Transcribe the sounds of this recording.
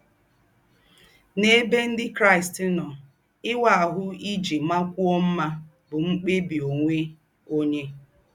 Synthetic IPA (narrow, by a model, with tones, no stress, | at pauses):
ne˦be˦n̩˦dɪ˦kɾa˦ɪ˨stnɔ˨ | ɪ˦wa˦˨a˨ɦʊ˦i˦d͡ʒi˨ma˦kʷu˦ɔ˦m̩˦ma˦ | bʊ˨ŋ͡m̩˦k͡pe˦bi˨o˨ŋʷe˦ | o˦ɲe˦